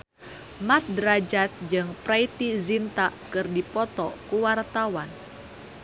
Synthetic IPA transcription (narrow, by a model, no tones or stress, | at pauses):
mat̪̚dɾad͡ʒat̪̚d͡ʒɨŋpɾait̪izint̪akɨrdipɔt̪ɔkuwart̪awan